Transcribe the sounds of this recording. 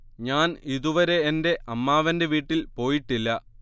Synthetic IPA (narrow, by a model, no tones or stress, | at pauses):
ɲaːniðuʋɐɾe̞ːnde̞ʔɐmːaːʋɐnde̞ʋiːʈːilpo̞ːjiʈːilːɐ